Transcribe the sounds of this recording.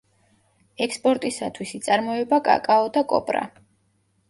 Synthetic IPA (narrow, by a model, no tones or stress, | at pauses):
ɛkspʼɔɾt̪ʼisat̪ʰwisit̪sʼaɾmɔɛbakʼa̰kʼaɔd̪akʼɔ̰pʼɾa̰